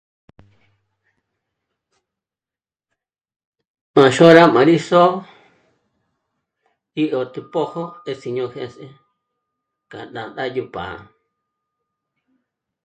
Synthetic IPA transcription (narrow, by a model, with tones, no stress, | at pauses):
mã˨ʃõ˦ɾa˦mã˨˧ɾi˦so˦ | ɾi˦ʔo˨t̪u˧po˦ho˦e˧si˧ɲõ˧hẽ˧se˦ | ka˨dã˨nd̪a˦˧ju˧pã̰˨